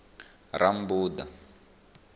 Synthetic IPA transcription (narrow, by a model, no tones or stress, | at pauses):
ram̩buːda̰